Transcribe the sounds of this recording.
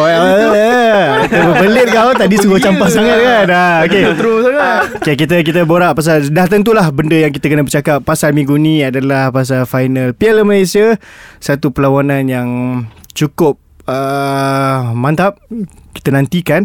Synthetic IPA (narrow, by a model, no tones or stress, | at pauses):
it̪əbəbəlɪt̪̚kawt̪adisuɡut͡ʃampasaŋat̪̚kanaoket̪ɾusaŋat̪okek̬it̪ək̬it̪əboɾaʔpas̬aldaht̪ənt̪ulahbəndəjaŋk̬it̪əkənəbərt͡ʃakapːasalmĩŋɡunĩadalahpas̬alfajnalpiɛləməlesiəsat̪upəlawanãnjaŋt͡ʃukʊp̚ə | mãnt̪ap̚ki̥t̪ənãnt̪ikan